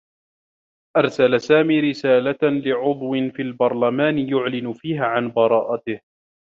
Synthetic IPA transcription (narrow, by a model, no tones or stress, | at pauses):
ʔɑɾˤsalasaːmiːɾɪsaːlalɪʕʊðˤwɪnfiːlbɑɾˤlamaːnɪjʊʕlɪnʊfiːɦaːʕanbɑɾˤɑːʔat̪ɪh